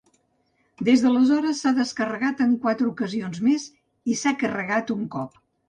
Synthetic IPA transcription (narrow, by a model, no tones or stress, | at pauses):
d̪ezðələzɔɾəsːaðəskərəɣat̪əŋkwat̪ɾəukəzionzmez | isakərəɣat̪uŋkɔp̚